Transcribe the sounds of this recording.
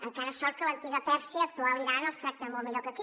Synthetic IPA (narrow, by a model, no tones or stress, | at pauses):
ɐ̃kɛɾɐʃɔɾkɐlˠɐ̃nt̪iɣɐt̪ɛɾsjɐt̪oaβɾiɣaɾnɔʃsɛkt̪ɛmõməʎɔɾkɐk̪i